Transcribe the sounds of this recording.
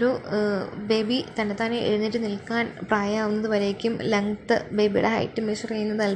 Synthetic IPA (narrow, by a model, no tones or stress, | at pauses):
ɾu | be̞ːbit̪ɐnːet̪ːaːneʔḛɻunːit̬ːɨnilkaːnpraːjaːʋunːɐðɨʋɐɾejkʲːumlɐŋt̪ɨ̰be̞ːbijṵɽeɦɐ̰jtːɨmeːʂrɐjːunːɐðɨɐl